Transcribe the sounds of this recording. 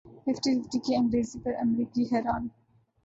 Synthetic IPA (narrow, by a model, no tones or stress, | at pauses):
fɪfʈifɪfʈikiɐ̃ŋɡɾeːzipəɾɐmɾiːkiɦɛːɾaːn